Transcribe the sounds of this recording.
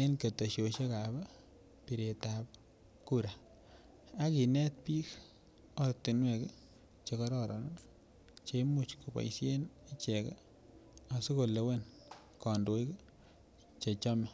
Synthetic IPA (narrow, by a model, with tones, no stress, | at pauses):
e˦nke˨to˨ʃo˨ʃe˦ka˨ba˦ | pi˨ɾe˨tap̚ | ku˦ɾa˨ | a˦ki˨nɛ˦t̚pi˦k | ɔ˦ɾte˨nwe˨k | t͡ʃe˦kɔ˦ɾɔɾɔ̰˨nɔ˦ | t͡ʃe˦mu˨t͡ʃku˨bɔ̰˨isje˦ne˦t͡ʃɛ˨k | a˨su˦ko˨le˨we˦n | kɔ˨ndo˦i˦k | t͡ʃe˨t͡ʃɔ˦me˨